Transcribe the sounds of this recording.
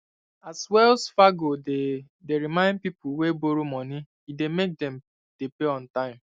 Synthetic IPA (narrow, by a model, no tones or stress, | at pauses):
aswɛlsfaɡode | deɾimãɪ̃nd̚pipʊweboɾumɔni | idemek̚dɛm | d̥epeɔ̃n̩tãɪ̃m